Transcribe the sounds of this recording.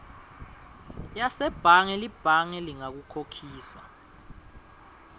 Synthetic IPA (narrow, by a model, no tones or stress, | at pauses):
jasɛb̥ʱaŋɛlib̥ʱaŋɛliŋak̬ukʰokʰiːsa